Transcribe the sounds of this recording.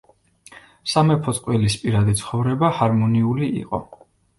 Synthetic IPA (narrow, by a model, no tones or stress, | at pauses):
samɛpʰɔt̪ʼqʼwɛlispʼiɾad̪it̪sʰχɔvɾɛbahaɾmɔniuliḭqʼɔ̰